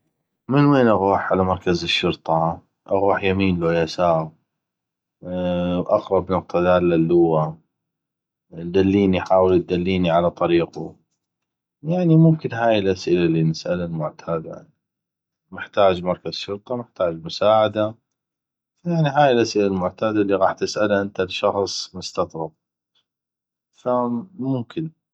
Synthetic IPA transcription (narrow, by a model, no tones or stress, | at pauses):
mɪnweːnʔaɣuːħʕalamɑɾˤkazɪʃːʊɾt̪ˤɑ | ʔaɣuːħjamiːnloːjasaːɣ | wʔɑqɾˤɑbnʊq̚t̪ˤad̪aːlːalːʊwa | d̪alːiːniħaːwəld̪alːiːniʕalat̪ˤɑɾiːqu | jaʕnimʊmkɪnɦaːjɪlʔasʔɪlalːinɪsʔalalmʊʕt̪ʰaːd̪a̰n | mɪħt̪aːd͡ʒmɑɾˤkazʃʊɾt̪ˤɑmɪħt̪aːd͡ʒmʊsaːʕad̪a | fajaʕniɦaːjɪlʔasʔɪlalmʊʕt̪aːd̪alːiɣɑːħt̪ːɪsʔalaʔɪnt̪alʃɑxsˤmʊst̪ɑt̪ˤɾˤɑb̚ | famʊmkɪn